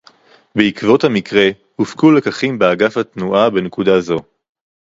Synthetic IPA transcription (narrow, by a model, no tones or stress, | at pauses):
beikvo̞thamikʁe̞ | hufkule̞kaχimbeaɡafhatnuʔabenekudazo̞